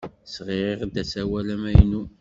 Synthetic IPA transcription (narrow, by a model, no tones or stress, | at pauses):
sʁɪɾeʁd̪æsæwælæmæjnu